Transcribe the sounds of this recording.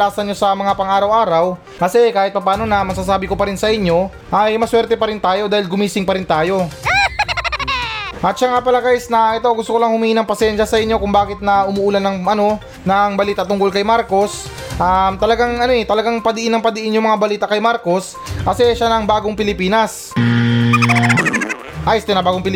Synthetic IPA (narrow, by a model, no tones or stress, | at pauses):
laːsɐnɲo̞sɐmɐŋapɐŋʔaːɾɐwʔaːɾɐw | kɐsɛkaːhɪt̪̚pɐpaːno̞nɐmɐs̬aːs̬aːbɪkopɐɾɪnsɐʔɪɲːo̞ | ʔɐjmɐswɛɾt̪ɛpɐɾɪnt̪aːjo̞d̪aːhɪlɡʊmiːsɪŋpɐɾɪnt̪aːjo̞ | ʔɐt̪̚ʃaŋapɐlɐɡajsnɐʔɛt̪oʔwɡʊst̪okolɐŋhʊmiːhɪnɐŋpɐsɛnʃɐsɐʔɪɲːo̞kʊŋbaːkɪt̪̚nɐʔʊmʊʔuːlɐnːɐŋʔɐno̞ | nɐŋbɐliːt̪ɐt̪ʊŋko̞lkɐjmaɾko̞s | ʔamt̪ɐlɐɡaŋɐnoɛt̪ɐlɐɡaŋpɐd̪ɪʔɪnːɐŋpɐd̪ɪʔɪnjʊŋmɐŋabɐliːt̪ɐkɐjmaɾko̞s | kɐsɛʔɛʃanɐŋbaːɡoŋpɪlɪpiːnɐs | ʔajst̪ɛnɐbaːɡopɪl